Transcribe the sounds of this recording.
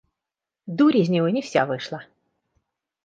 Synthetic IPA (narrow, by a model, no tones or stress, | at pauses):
d̪uɾʲizʲnʲiʋɔnʲiwsʲa̰ʋɪʃlˠɐ